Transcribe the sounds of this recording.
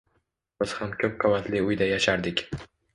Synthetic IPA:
bɪz̥hamkʲʰɵp̚qʰavat̪lɪʊjd̪ajaʃaɾd̪ɪkʲ

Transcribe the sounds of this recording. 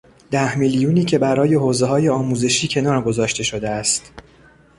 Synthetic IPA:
d̪̥æhmiljuːniːcʰe̞bæɾɒːje̞ɦoːze̞ɦɒːje̞ɒːmuːze̞ʃiːcʰe̞nɒːɾɡo̞zɒːʃt̪e̞ʃo̞d̪eæst̪

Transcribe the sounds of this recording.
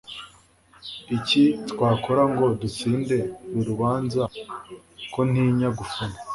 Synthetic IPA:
icitkwaːkoɾaŋɡo̞dut͡siːnde̞βiɾuβaːnza | ko̞n̥iɲaɡufuna

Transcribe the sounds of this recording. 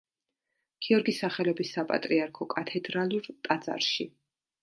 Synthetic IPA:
ɡ̥iɔɾɡisaχɛlɔbisːapʼa̰t̪ʼɾiaɾkʰɔkʼat̪ʰɛd̪ɾaluɾt̪ʼad̪zʼa̰ɾʃi

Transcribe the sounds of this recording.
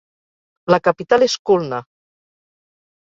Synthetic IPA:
lakapit̪aleskulna

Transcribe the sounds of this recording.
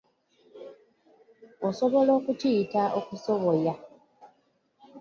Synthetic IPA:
osoβo̞lo̞ːkutiːtaʔokusoβoja

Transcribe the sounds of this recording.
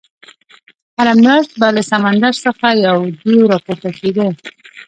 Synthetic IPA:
haɾamɾɑʃt̪̚baləsamand̪aɾsəxajawd̪uwɾɑpoɾt̪akeɡ̪ə

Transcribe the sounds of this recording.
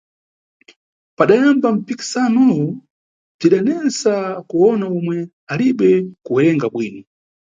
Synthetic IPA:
paɗajambam̩piki̥sanɔwu | b͡ʐiɗanɛnsakuɔnaumwɛ | aliɓɛkuɛɾɛŋɡaɓwiːni

